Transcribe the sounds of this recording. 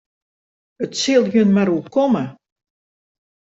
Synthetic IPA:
ətsɪlˠɦjønmaɾukomə

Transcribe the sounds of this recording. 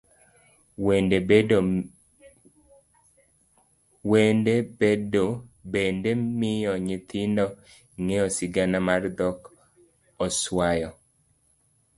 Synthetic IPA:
wendee | wendebedobendemɪjɔɲɪt̪ʰɪndɔ | ŋejɔsɪɡanamard̪ɔk | ɔswajɔ

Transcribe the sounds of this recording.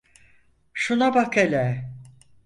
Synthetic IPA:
ʃunabakʰelʲɛ

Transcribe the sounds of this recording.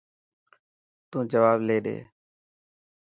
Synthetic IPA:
t̪ũːd͡ʒəʋaːbleːɗ̪ḛː

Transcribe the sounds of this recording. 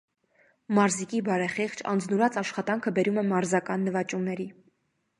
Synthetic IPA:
mɑɾzikibɑɾɛχiχt͡ʃʰɑ̰nd͡znuɾɑt͡sɑʃχɑt̪ɑŋkʰəbɛɾumɛmɑɾzɑkɑnːəvɑt͡ʃumnɛɾi

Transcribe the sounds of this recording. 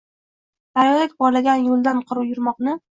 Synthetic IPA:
d̪̥ajɒlakʲbɒɾlaɡʲanjolˠd̪anqʰʊɾʊjʊɾmɒqnɪ

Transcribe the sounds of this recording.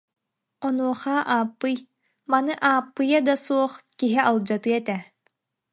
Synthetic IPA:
ɔnuɔχaːʔaːpːɯj | manɯʔaːpːɯjad̪asuɔχkiɦialˠd͡ʑat̪ɯɛt̪ɛ

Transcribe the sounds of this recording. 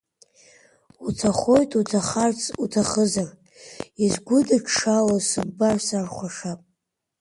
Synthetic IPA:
utʰaχo̞jtʼutʰaχart͡sʰutʰaχəzar | izɡʷʊdakʰʂalasɨɡbarsarχʷaʂapʼ

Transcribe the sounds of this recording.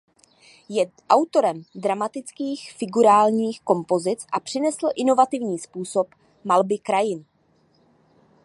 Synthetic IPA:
jɛ | ʔawt̪o̞ɾɛmdɾamat̪ɪt͡skiːxfɪɡuɾaːlɲiːxko̞mpo̞zɪt͡sʔapr̥ɪnɛsl̩ʔɪno̞vat̪ɪvɲiːspuːso̞p | malbɪkɾajɪn

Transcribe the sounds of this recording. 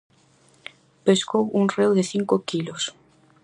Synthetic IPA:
peskowuŋrewðeθiŋkokilos

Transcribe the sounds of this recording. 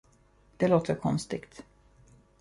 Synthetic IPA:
d̪̥ɛloːt̪ʰəɾkʰɔnst̪ɪɡt̪

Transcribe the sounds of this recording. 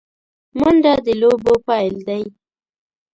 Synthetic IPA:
mʊɳɖad̪əlobopɑld̪aj

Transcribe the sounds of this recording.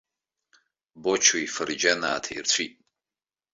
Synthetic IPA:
bot͡ʃʰuifɐrd͡ʒana̰ːtʰaḭrt͡ɕʷʰitʼ

